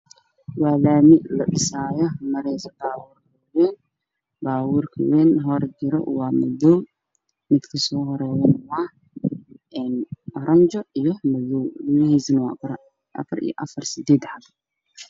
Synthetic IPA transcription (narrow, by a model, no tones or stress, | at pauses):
wɑːlaːmɪʔlɐɗɪsaːjɔmɐɾɛsbaːwuːrkʰɐwɛːn | baːwʊːrkʰɐ̰wɛːnɦɔrd͡ʒɪɾɔ̰wɑːmʊðɔw | mɪd̪kʰɐsɔːɦɔɾɛːwɐnwɑh | ʔɛːnʔɔɾʔɐɲt͡ʃɔʔijɔmʊðɔwlʊwɪhisɐnɐwɑ̰ːɾ | ʔɐ̰fɐɾḭjɔ̰ʔɐfɐrsɪd̪ɛːd̪ħad